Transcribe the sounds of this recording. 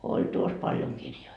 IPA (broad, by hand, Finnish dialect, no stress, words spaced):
olʲ tuos pɑljoŋ kirjoi